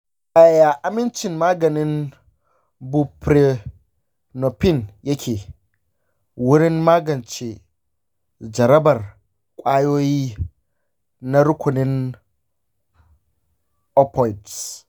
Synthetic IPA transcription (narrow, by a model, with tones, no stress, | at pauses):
ʔa˨ja˨ʔa˨mɪ˦nt͡ʃɪ˨mmaː˦ɡɐ˨nɪ˦n | bu˦pɾe˦ | no˨pɪ˦njɐ˦kʲeː˨ | wʊ˦ɽɪ˦mmaː˦ɡɐ˨nt͡ʃe˨ | d͡ʒɐ˨ɾɐ˦bɐ˨r | kʷʼaː˦joː˦jiː˦ | na˦ɾʊ˦kʷʊ˨nɪ˦n | ʔɔ˦pɔ˨jds